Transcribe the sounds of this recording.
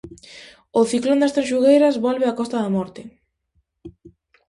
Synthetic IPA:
oθiklõnd̪ɛst̪ɐsʃuɣejɾɐzβɔlβeakɔst̪ɐðɐmɔɾt̪ɪ

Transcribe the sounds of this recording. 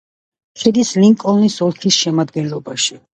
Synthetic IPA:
ʃɛd̪isliŋkʼɔlnisɔlˠkʰisʃɛmad̪ɡɛnlˠɔbaʃi

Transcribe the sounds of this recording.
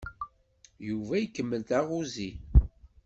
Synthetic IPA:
juvæjikːəmːəlt̪æʁuzi

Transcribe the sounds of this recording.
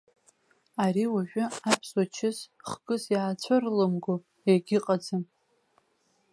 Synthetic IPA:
aɾiwaʒᶣʷaapʰswat͡ʃʰɪzχɡʼɨzjaːt͡ɕʷʰarlɨmɡʊ | eɡʲɪqʼad͡zɨn

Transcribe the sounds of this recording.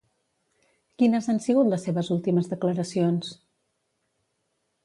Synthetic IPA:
kinəzansiɣut̪ləsːeβəzulˠt̪iməzðəkləɾəsions

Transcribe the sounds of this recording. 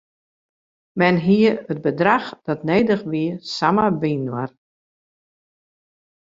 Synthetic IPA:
mɛnɦiəət̚bədraxd̥ɔtneːdəχʋiəsamabiːnwar

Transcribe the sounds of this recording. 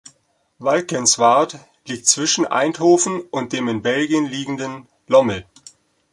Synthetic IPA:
valkənsv̥aɐt | liːk̚t̚t͡sv̥ɪʃn̩ʔa̰ɪnthoːfn̩ʊnt̚d̥eːmɪnbɛlɡijənliːɡŋ̩dən | lɔml̩

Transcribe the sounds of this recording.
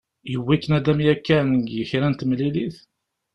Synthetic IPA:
jəwːækːənæd̪æmjækːænɡjəçɾænt̪mliliθ

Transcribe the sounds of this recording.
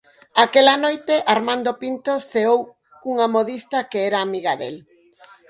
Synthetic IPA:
akelanojt̪eʔaɾmãnd̪opint̪oθeow | kuŋamoðist̪ɐkeɛɾaːmiɣaðḛl

